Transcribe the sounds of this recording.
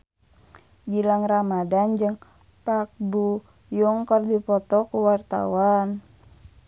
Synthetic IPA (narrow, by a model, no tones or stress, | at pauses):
ɡilaŋramadand͡ʒəŋ | pak̚bu | juŋkərdipɔt̪ɔkuwart̪a̰wan